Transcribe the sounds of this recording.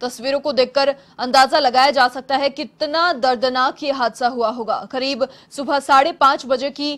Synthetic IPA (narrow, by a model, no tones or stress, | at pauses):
t̪ɐsʋiːɾõkod̪eːkːɐɾ | ɐ̃nd̪aːzalɐɡaːjad͡ʒaːsɐk̚t̪aɦɛkɪt̪nad̪ɐɾd̪naːkjeɦaːd̪saɦuaɦoːɡa̰ːkɐɾiːb | sʊbʱəsaːɽepãːt͡ʃbɐd͡ʒeki